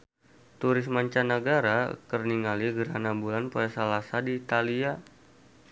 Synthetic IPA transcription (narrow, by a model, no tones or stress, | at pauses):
t̪uɾɪsmaɲt͡ʃanəɡaɾakərniŋaliɡəɾanabulanpuɛsalasadiːt̪alia